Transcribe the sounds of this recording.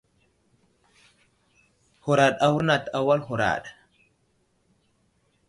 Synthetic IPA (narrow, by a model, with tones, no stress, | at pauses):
ho˨ɾa˨ɗa˨wu˦ɾna˨ta˨wa˦lɦu˨ɾa̰˨ɗa˨